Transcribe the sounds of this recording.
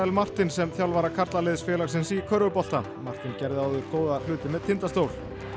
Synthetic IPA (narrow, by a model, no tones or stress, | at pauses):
ɛlmar̥t̪ɪnsɛmθjawlvaɾakʰar̥t̪lalɪðsfjɛːlaɣsɪnsikʰœɾvʏpɔl̥t̪a | mar̥t̪incɛɾðɪawðʏɾkoːwðalʏːt̪ɪmɛðt̪ʰɪnt̪ast̪oːwl̥